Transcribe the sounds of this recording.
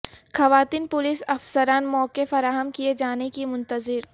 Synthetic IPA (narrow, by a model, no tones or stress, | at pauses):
xɐʋaːt̪iːnpʊlɪsɐfsəɾaːnmɔːkefɐɾaːɦəmkied͡ʒaːnekimʊ̃nt̪əzɪɾ